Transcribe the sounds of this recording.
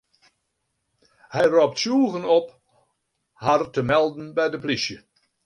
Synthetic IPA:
hɛjrɔp̚tsjuːɣənɔp | hartəmɛlˠdn̩bɛjdəplisjə

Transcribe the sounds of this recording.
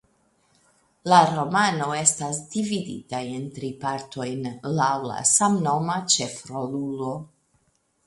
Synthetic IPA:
laɾo̞mano̞e̞stas̬dividḭtajentɾipaɾto̞jnlawla̰samno̞mat͡ʃe̞fɾolulo

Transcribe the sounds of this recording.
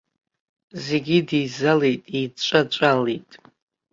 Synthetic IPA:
zeɡʲidizalejtʼit͡ʃʷʼat͡ʃʷʼalejtʼ

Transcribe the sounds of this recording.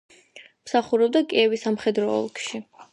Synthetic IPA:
msaχuɾɛb̚d̪akʼiɛvisamχɛd̪ɾɔɔ̰lˠkʰʼʃi

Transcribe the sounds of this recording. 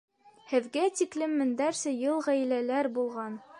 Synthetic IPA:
hɘ̆ðɡæt̪iklɘmːɘ̆nd̪æɾsɘjɤlˠʁæj̆lælæɾbulˠʁɑn

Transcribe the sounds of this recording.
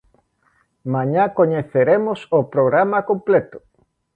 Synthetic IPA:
mãɲakoɲeθeɾemosopɾoɣɾamakõmplet̪ʊ̥

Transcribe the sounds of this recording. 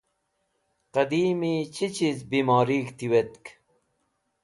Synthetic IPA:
qɐd̪iːmit͡ɕit͡ɕizbiːmɑːɾiːkt̪iwet̪k

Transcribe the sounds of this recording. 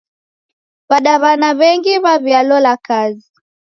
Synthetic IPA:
βaɗaβanaβɛŋɡiβaβialɔlakazi

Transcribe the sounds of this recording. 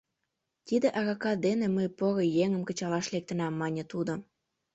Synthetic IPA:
t̪id̪eʔɑɣɑkɑd̪eneməjpoɣojeŋəmkə̆t͡ɕɑlɑʃlek̚t̪ə̆nɑmːɑnʲĕt̪ud̪ŏ

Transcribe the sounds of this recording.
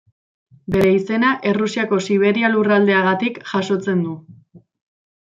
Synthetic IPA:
be̞ɾe̞ise̞naʔe̞rusiako̞siβ̞e̞ɾialurald̪e̞aɣat̪ikʝaʃo̞t͡se̞nd̪u

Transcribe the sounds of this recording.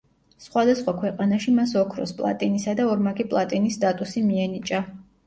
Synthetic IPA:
sχwad̪asχwakʰwɛqʼanaʃimasɔkʰɾɔ̰spʼlˠa̰t̪ʼinisad̪aɔɾmaɡipʼlˠat̪ʼinist̪ʼat̪ʼusimiɛnit͡ʃʼa

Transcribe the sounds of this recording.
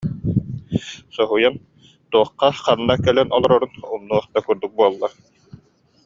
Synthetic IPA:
sɔɦujan | t̪uɔχːɑqanːakɛlɛnɔlˠɔɾɔɾunumnːuɔχt̪akyɾd̪uk̚buɔlˠːaɾ

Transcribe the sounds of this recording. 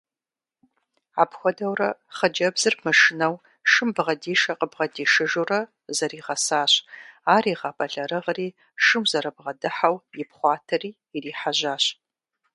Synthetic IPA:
aːpxʷɔdɐwrɐχəd͡ʒɐbzɨrmɨʂɪnɐw | ʃɨmbʁɐdiːʃɐqəbʁɐdiːʃɨʒurɐ | zɐɾiːʁɐsaːɕaːriːʁɑpʰʼɐɮɐɾɨʁriː | ʃɨmzɐɾɐbʁɐdɨħawjɪpχʷɑːtʰɐriːriːħaʑaːɕ

